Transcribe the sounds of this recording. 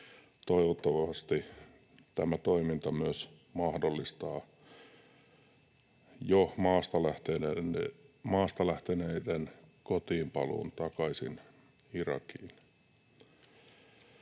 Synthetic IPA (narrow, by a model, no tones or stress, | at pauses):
t̪oiʋot̪ːɑʋɑst̪i | t̪æmæt̪oimint̪ɑmyøs | mɑhdolːist̪ɑː | jomɑːst̪ɑlæht̪ee | mɑːst̪ɑlæht̪eneidenkot̪iːmpɑlṵːnt̪ɑkɑisḭn | irɑ̰kḭːn